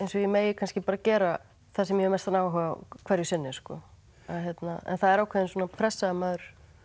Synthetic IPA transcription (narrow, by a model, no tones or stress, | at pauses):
ejnsɔjɛmeːjɪkʰanscɪpaːɾacɛːɾa | θasɛmjɛɾmɛst̪anaːwɦœːva̰kʰɛɾjʏsɪnːɪ̥skɔ̰ | aðçjɛt̪naɛ̰nθaðɛɾaːwkʰɛðɪnsuːnapʰɾɛsːamaðʏɾ̥